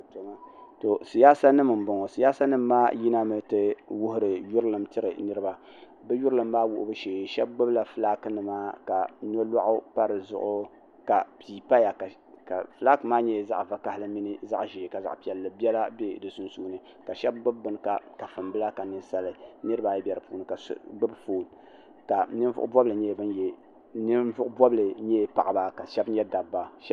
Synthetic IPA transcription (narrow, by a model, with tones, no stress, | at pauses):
to˨ma˦to˨si˨jaː˦sa˦nɨ˦m˨m̩˨bo˨ŋo˨si˨ja˦sa˦nɨ˦mː˦aː˦ji˦na˦mɨ˨tɨ˦wʊ˦ɦʊ˨ɾɨ˨jʊ˦ɾlɨ˨mtɨ˦ɾɨ˨nɨ˦ɾɨ˦ba˨ | bɛ˦jʊ˦ɾɨ˦lɨ˨mːaː˦wʊ̰˨ʔʊ̰˦bɨ˦ʃeː˨ʃɛ˦b̚ɡ͡bɨ˦bla˨fɨ˦laː˦kɨ˦nɨ˨maː˦ka˨no˦la̰˦ʔʊ˦pa˦ɾɨ˨zʊ̰˦ʔʊ˦ | ka˨piː˨pa˦ja˨ka˨ | ka˨fɨ˨˦la˦kɨ˨˦maː˦ɲɛ˦˨za̰˦ʔva˨ka˨hlɨ˦mi˦nɨ˦za̰˦ʔʒiː˨ka˨za̰˨ʔpi˦ɛ˨lːɨ˨bʲɛ˦la˦be˦dɨ˨sʊ˦nsuː˦nɨ˦ | ka˨ʃɛ˦b̚ɡ͡bɨ˦b̚ːɨ˦n˦ka˨ka˨fɨ˨mbɨ˦la˦ka˨nɨ˦sa˦lɨ˦nɨ˦ɾɨ˦ba˨jɛ˦bʲjɛ˨ɾɨ˨puː˦nɨ˨ka˨sɡ͡bɨ˦bfoː˦˨n | ka˨nɨ˦n˦vʊ̰˦ʔʊ˦bɔ˦blɨ˨ɲɛ˦˨bɨ˦njɛ˨ | nɨ˦nvʊ˦ʔʊ˦bɔ˦blɨ˨ɲɛ˦pa̰˨ʔba˦ka˨ʃɛ˦bɲɛ˦da˨bːa˦ʃɛ˦